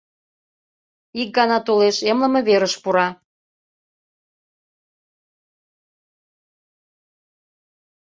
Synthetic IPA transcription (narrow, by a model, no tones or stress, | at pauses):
ik̚ɡɑnɑt̪oleʃemlə̆mə̆βeɾəʃpuɾɑ